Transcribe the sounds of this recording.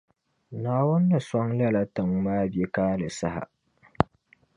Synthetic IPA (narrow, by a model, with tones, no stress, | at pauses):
naː˨wʊ˦nːa˨sɔ˦ŋlɐ˦la˨tɨ˨ŋmaː˦be˦kaː˦lɨ˨sa˦ha̰˨